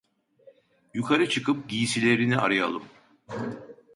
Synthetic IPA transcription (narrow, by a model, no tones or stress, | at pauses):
jukʰaɾɯt͡ʃʰɯkʰɯp̚ɟijisilʲeɾinia̰ɾɯja̰lˠɯm